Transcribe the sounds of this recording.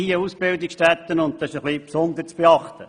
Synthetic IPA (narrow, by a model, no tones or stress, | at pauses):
iːəusb̥ɪld̪iksʃtæt̪ːənʊnt̚t̪ɑɪʃəχlipsʊnd̪əɾt͡sb̥eɑχt̪ə